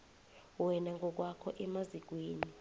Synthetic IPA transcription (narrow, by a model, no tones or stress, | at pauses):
wɛnaŋɡʱɔk̬wakʰɔʔɛmazik̬weːni